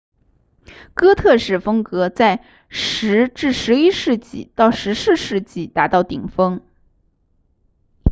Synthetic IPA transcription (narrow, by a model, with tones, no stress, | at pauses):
kɤ˥t̪ʰɤ˥˧ʂɻ̩˨˥˩fɤ˥ŋkɤ˧˥t͡sa˥˩ɪ | ʂɻ̩˧˥ʈ͡ʂɻ̩˥˩ʂɻ̩˧˥i˥ʂɻ̩˥˧t͡ɕḭ˥˩t̪ɑ˥˩ʊʂɻ̩˧˥sɹ̩˥˧ʂɻ̩˥˧t͡ɕi˥˩t̪a˧˥t̪ɑ˥˩ʊt̪i˨˩ŋfɤ˥ŋ